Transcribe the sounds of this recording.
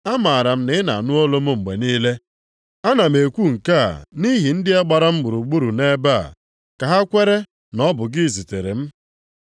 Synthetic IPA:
a˦ma˨ɾa˨m̩˦nɪ˨˦na˨nʊ˦o˦lo˦mʊ˦ŋ͡m̩˨ɡ͡be˨niː˦le˦ | a˦na˨m̩e˨kʷu˦˨ŋ̩˨ka̰˦˨ni˦ɦi˨n̩˦dɪ˦e˦ɡ͡ba˨ɾa˦m̩˦ɡ͡bʊ˨ɾu˨ɡ͡bu˦ɾu˨ne˦ba̰˦˨ | ka˨ɦa˦kʷe˦ɾe˦ | nɔ˦bʊ˨ɡɪ˦˨zi˨te˨ɾḛ˨m̩˦

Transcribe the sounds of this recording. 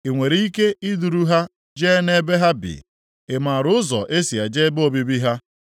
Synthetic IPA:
e˨ŋʷe˨ɾi˦i˦ke˦i˦du˨ɾu˦ɦa˦ | d͡ʒe˦ne˦be˦ɦa˦bɪ̰˨ | e˨ma˨ɾʊ˦ʊ˦zɔ̰˨ʔe˦si˨a˨d͡ʒe˦bo˦bi˦bi˦ɦa˦

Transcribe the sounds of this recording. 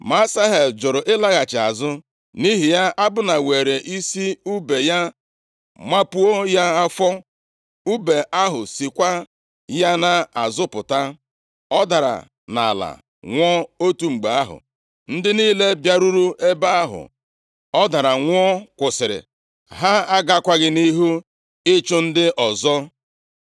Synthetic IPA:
ma˦sa˦ɦe˨ld͡ʒʊ˨ɾʊ˨ʔɪ˦la˦ɣa˨t͡ʃɪ˨a˨zʊ˦ | ni˦ɦi˨ja˦ʔa˦bʊ˦na˨we˨ɾe˨ʔi˦si˦u˦be˨ja˦ | ma˦pu˦o˦ja˦a˦fɔ˦ | u˦be˨ʔa˦ɦʊ˨si˨kʷa˦ | ja˦na˨a˨zʊ˦pʊ˨ta˦ | ɔ˦da˨ɾa̰˨ | na̰˨la̰˨ | ŋʷɔ˦o˦tu˨ŋ͡m̩˨ɡ͡be˨a˦ɦʊ̰˨ | n̩˦dɪ˦niː˦le˦bja˦ɾu˦ɾu˦e˦ba˦a˦ɦʊ̰˨ | ɔ˦da˨ɾa˨ŋʷ˦ɔ˦kʷʊ˨sɪ˨ɾɪ̰˨ | ɦa˦a˦ɡa˦kʷa˦ɡɪ˦ni˦ɦu˦ | ɪ˦t͡ʃʊ˦n̩˦dɪ˦ʔɔ˨zɔ˦

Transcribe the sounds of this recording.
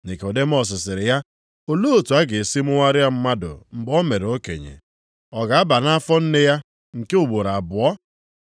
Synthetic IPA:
ne˨kɔ˨de˦m̩˦ɔ˨s̬ɪ˨s̬ɪ˨ɾɪ˨ja˦ | o˨lo˦o˨tu˨a˦ɡe˨si˦mʊ˦ŋa˦ɾja˦m̩˦ma˦dʊ̰˨m̩˦bɔ˦me˨ɾe˨o˦kḛ˨ɲḛ˨ | ɔ˨ɡa˨a˦ba˨na˦fɔ˦n̩˦nɪ˦ja˦ | ŋ̩˨ke˦ʊ˨ɡ͡bo˨ɾa˨a˨bʊ˨ɔ˦

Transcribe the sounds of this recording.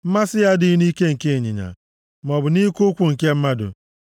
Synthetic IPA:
m̩˦ma˦sɪ˦ja˦dɪ˦ni˦ke˦ŋ̩˨ke˦e˨ɲḭ˨ɲa̰˨ | mɔ˨bʊ˨ni˦ku˦kʷu˨ŋ̩˨ke˦m̩˦ma˦dʊ̰˨

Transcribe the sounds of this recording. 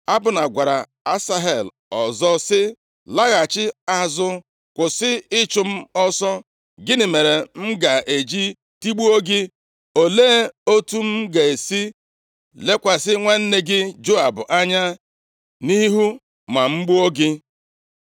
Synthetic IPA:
a˦bʊ˨na˨ɡʷa˨ɾa˨ | a˦sa˦ɦe˨l | ɔ˨zɔ˦sɪ˦ | la˦ɣa˨t͡ʃɪ˦a˦zʊ˦ | kʷʊ˨sɪ˦ɪ˦t͡ʃʊ˨m̩˦ɔ˦sɔ˦ | ɡɪ˦nɪ˨me˨ɾe˨m̩˦ɡa˨ʔe˨d͡ʒi˦ | ti˦ɡ͡bu˦o˦ɡɪ˦ | o˨leː˦o˦tu˦m̩˦ɡe˨e˨si˦ | le˦kʷa˨sɪ˦ŋʷa˦n̩˦ne˦ɡɪ˦d͡ʒo˦a˨bʊ˨ʔa˦ɲa˦ | ni˦ɦu˦ | ma˨ŋ͡m̩˦ɡ͡bu˦o˦ɡɪ˦

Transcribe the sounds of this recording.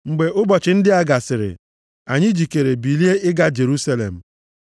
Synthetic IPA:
ŋ͡m̩˨ɡ͡be˨ʔʊ˦bɔ˨t͡ʃɪ˨n̩˦dɪ˦a˦ɡa˨sɪ˨ɾɪ̰˨ | a˨ɲɪ˦d͡ʒi˨ke˨ɾe˨bi˨li˦e˦ɪ˦ɡa˦d͡ʒe˨ɾu˦sa˦lḛ˨m̩˨

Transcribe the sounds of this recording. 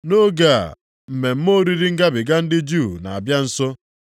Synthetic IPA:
no˦ɡa̰˦˨ | m̩˨me˨m̩˦mo˦ɾi˦ɾi˦ŋ̩˦ɡa˦bɪ˨ɡa˦n̩˦dɪ˦d͡ʒu˦˨na˨a˨bja˦n̩˦sɔ˦

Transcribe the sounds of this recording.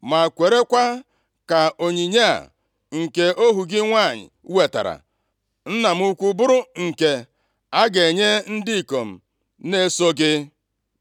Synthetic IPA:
ma˨kʷe˨ɾe˦kʷa˦ | ka˨o˨ɲi˨ɲa˦a̰˨ | ŋ̩˨ke˦ʔo˦ɦu˨ɡɪ˦ŋʷa˦˨ɲɪ̰˨˦we˨ta̰˨ɾa̰˨ | n̩˦na˨m̩˦u˦kʷu˦bʊ˦ɾʊ˦ŋ̩˨ke˨ | a˦ɡe˨ɲe˦n̩˦dɪ˦i˨ko˨m̩˨ | ne˦so˦ɡɪ˦

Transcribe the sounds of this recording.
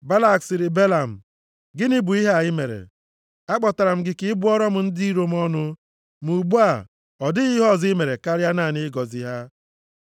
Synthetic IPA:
ba˦la˦˨ksɪ˨ɾɪ˨be˦la˨m̩˨ | ɡɪ˦nɪ˦bu˨i˦ɦa˨jɪ˦me˨ɾḛ˨ | a˦k͡pɔ˨ta˨ɾa˨m̩˦ɡɪ˦kɪ˦bu˦ɔ˦ɾɔ˦mʊ˨n̩˦di˦i˦ɾo˦m˦ɔ˦nʊ˦ | m˨u˨ɡ͡bu˦a˨ | ɔ˨dɪ˦ɣi˦ɦɔ˦˨zɪ˦me˨ɾe˨ka˦ɾja˦na˦˨nɪ˦ɡɔ˨zi˨ɦa˦

